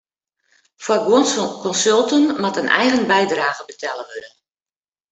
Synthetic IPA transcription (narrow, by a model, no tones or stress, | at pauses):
fwaɡwonskɔnsølˠtənmatənʔɛ̰jɣənbɛjdraːɣəbətʰɛləʋødə